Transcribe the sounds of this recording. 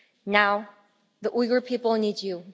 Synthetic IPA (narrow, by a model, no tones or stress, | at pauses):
naʊ | ðəʔwiɡə˞pʰipl̩ˠnid͡ʒu